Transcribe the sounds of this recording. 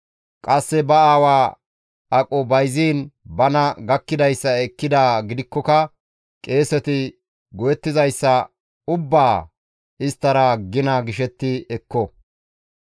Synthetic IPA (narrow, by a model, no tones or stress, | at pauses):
kʼɐsːɛbɐaːwaː | ɐkʼɔbɐjziːnbɐnɐɡɐkːɪd̪ɐjsːɐɛkːɪd̪aːɡɪd̪ɪkːɔkɐ | kʼe̞ːsɛt̪ɪ | ɡɔjɛt̪ːɪzɐjsːɐ | ʊbːaː | ɪst̪ːɐɾɐɡɪnɐɡɪʃɛt̪ːɪɛkːɔ